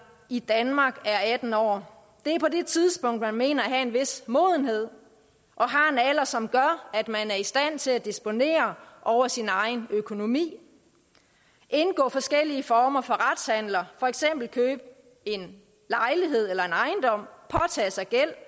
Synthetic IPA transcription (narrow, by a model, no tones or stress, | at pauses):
id̥ænmɑ̈ːɡ̥æɐæd̥n̩ɒ̰ː | d̥e̝æɐpʰɒ̽de̝t͡sʰiðˠsb̥ɔ̽ŋ̰d̥mænme̝̰ːnɐæɦæe̝nʋe̝smo̝̰ːð̞ˠən̩he̝ð̞̰ˠ | ʔɒ̽ɦɑ̈enælɐsɒ̽mɡ̥ɶɐæd̥mænæɐisd̥æn̰t͡sʰe̝læd̥isb̥o̝ne̝̰ːɐʔɒʊɐsinɑ̈ɪnøkʰo̝no̝mḭː | ʔe̝nɡ̥ɔ̰̽ːfɒ̽sɡ̥el̰iəfɒːmɐfɒ̽ʁad̥shæn̰lɐfɒ̽eɡ̥sem̰b̥l̩kʰøːb̥̚ | e̝n | lɑ̈ɪliɦe̝ð̞̰ˠelɐe̝nɑ̈ɪnd̥ɒ̽m̰pʰɒ̽t͡sʰɛ̰ːsɑ̈ɪɡ̥el̰